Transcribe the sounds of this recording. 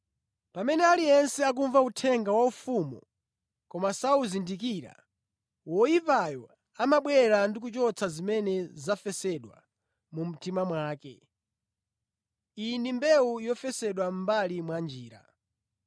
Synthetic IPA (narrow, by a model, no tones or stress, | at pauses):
pamɛnɛaliɛnsɛak̬uɱvautʰɛŋɡawaufumɔ̰ | kɔmasauzindikiɾa̰ | wɔjipajɔ | amaɓwɛɾandikut͡ʃɔt͡sʰazimɛnɛzafɛsɛɗwa̰ | mum̩timamwaːkɛ̰ | inimbɛujɔfɛsɛɗwam̩balimwand͡ʒiːɾa̰